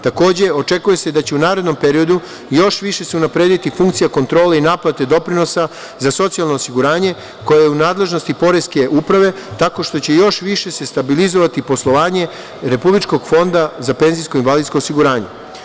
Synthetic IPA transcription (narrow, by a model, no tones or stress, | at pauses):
t̪ako̞ːd͡ʑe̞o̞t͡ʃe̞kuje̞se̞d̪at͡ɕe̞unaːɾed̪no̞mpe̞ɾio̞d̪u | jo̞ʃʋiʃe̞seunapɾeːd̪it̪ifuŋkt̪sijako̞nt̪ɾo̞ːleinaplat̪e̞d̪o̞pɾino̞sa | zaso̞t̪sialˠno̞ːsiɡuɾaːɲe̞ | ko̞jejeunaːd̪le̞ʒno̞st̪ipo̞ɾe̞ske̞ʔupɾaʋe̞t̪ako̞ʃt̪o̞t͡ɕe̞jo̞ʃʋiʃe̞se̞st̪abilizo̞ʋat̪ipo̞slˠo̞ʋaːɲe̞ | ɾe̞publit͡ʃko̞ɡfo̞nd̪azape̞nzijskoinʋalid̪sko̞ːsiɡuɾaːɲe̞̰